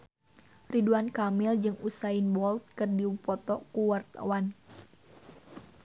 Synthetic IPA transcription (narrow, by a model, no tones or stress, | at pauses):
riduankamɪld͡ʒɨŋusainbɔlt̪̚kɨrdiupɔt̪ɔkuwart̪a̰wan